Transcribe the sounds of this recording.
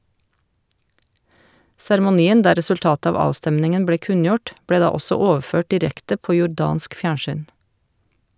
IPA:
sæɾmʊˈniːən ˈdæː ɾɛsʉlˈtɑːt ˈɑːʋ ˈɑːstɛmnɪŋən ˈbleː ˈkʉnjʊʈ ˈbleː ˈdɑː ˈɔsɔ ˈoːʋˌføːʈ dɪˈɾɛktə ˈpoː jʊˈɖɑːnsk ˈfjæːɳʃyːn

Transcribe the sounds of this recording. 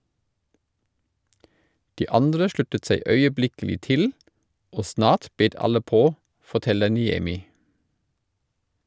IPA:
ˈdiː ˈɑndɾə ˈʃlʉtət ˈsæɪ œʏəˈblɪkl̩ɪ ˈtɪl ˈoː ˈsnɑːt ˈbeːt ˈɑlə ˈpoː fɔˈtɛlə nɪˈɛmɪ

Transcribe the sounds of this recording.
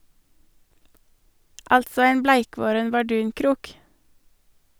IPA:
ˈɑltsɔ ˈæɪm ˈblæɪˌkʋoːɾən bɑˈɖʉːŋˌkɾuːk

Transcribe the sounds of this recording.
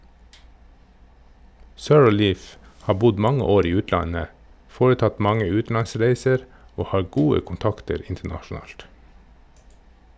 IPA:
sœɹˈliːf ˈhɑː ˈbʊd ˈmɑŋə ˈoːɾ ˈiː ˈʉːtlɑnə ˈfoːɾəˌtɑt ˈmɑŋə ˈʉːtn̩lɑnˌsɾeɪsəɾ ˈoː ˈhɑː ˈɡuːə kʊnˈtɑktəɾ ˈɪntəɳɑʃn̩ˌɑːlt

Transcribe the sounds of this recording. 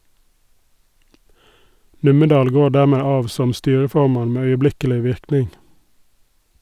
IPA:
ˈnʉməˌdɑːl ˈɡoː ˈɖæˌmeː ˈɑːʋ ˈsɔm ˈstyːɹəˌfɔmɑn ˈmeː œʏəˈblɪkəlɪ ˈʋɪɾknɪŋ

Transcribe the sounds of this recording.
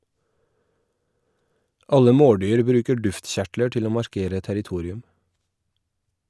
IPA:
ˈɑlə ˈmoːˌɖyːɾ ˈbɾʉːkə ˈɖʉftˌçæʈlə ˈʈɪl ˈoː mɑɾˈkeːɾə tæɾɪˈtuːɾɪʉm

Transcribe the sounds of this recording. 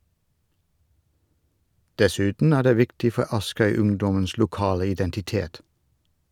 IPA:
dɛˈsʉːtn̩ ˈæː ˈɖeː ˈʋɪktɪ ˈfɔ ˈɑskœʏˌʉŋdɔməns lʊˈkɑːlə ɪdɛntɪˈteːt

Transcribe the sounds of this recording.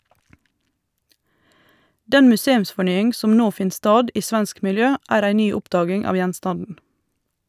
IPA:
ˈdɛn mʉˈseːʉmsfɔˌɳyːɪŋ ˈsɔm ˈnoː ˈfɪn ˈstɑːd ˈiː ˈsʋɛnsk mɪlˈjøː ˈæːɾ ˈæɪ ˈnyː ˈʊpdɑːɡɪŋ ˈɑːʋ ˈjɛnstɑndn̩

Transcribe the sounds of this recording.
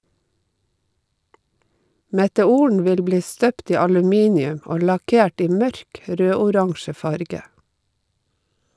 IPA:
mɛtɛˈuːəɳ ˈʋɪl ˈbliː ˈstøːpt ˈiː ɑlʉˈmiːnɪʉm ˈɔ lɑˈkeːʈ ˈiː ˈmœɾk ˈɾøːʊˌɾɑŋʃə ˈfɑɾɡə

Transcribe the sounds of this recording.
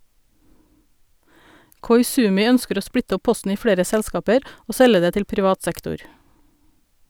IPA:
kɔʏˈsʉːmɪ ˈœnskəɾ ˈoː ˈspɽɪtə ˈɔ ˈpɔstn̩ ˈiː ˈfɽeːɾə ˈsɛlskɑːpəɾ ˈoː ˈsɛlə ˈdeː ˈtɪl pɾɪˈʋɑːt ˈsɛktʊɾ

